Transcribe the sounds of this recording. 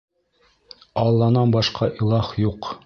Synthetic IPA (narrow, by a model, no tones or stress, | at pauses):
ɑlˠːɑnɑnbɑʃqɑʔilˠɑχjuq